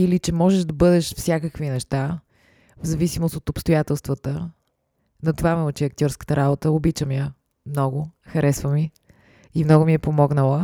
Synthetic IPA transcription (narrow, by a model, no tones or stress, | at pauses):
ilit͡ʃɛmɔʒɛʒd̪ɐbɤd̪ɛʃfsʲjakəkvinɛʃt̪a | vzɐvisimost̪ot̪opst̪ojat̪ɛlˠst̪vət̪ə | nɐt̪ovamɛot͡ʃiɐk̚t̪ʲjɔɾskə̥t̪əɾabot̪əobit͡ʃəmiə | mnɔɡʊxɐɾɛsvəmi | imnɔɡʊmiɛpomɔɡnəlˠə